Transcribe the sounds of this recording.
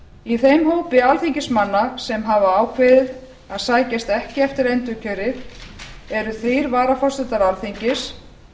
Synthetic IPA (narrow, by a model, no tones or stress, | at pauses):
iθejmɦoːwpɪalθiɲcɪsmanːasɛmɦavaaːwkʰvɪːðɪð | aðsaːjcast̪ɛhcɪɛft̪ɪɾejnt̪ʏcʰœːɾɪð | ɛɾʏθejɾvaːɾafɔrsɛt̪aɾalθiɲcɪs